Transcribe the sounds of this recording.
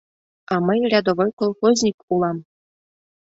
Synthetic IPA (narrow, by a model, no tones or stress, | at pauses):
ɑmɤjrʲɑd̪oʋɤjʲkolˠχozʲnʲikulˠɑm